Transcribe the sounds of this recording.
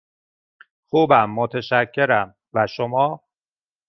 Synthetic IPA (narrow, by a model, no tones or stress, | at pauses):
xuːbæmːot̪ʰeʃæcʰːe̞ɾæm | væʃomɒː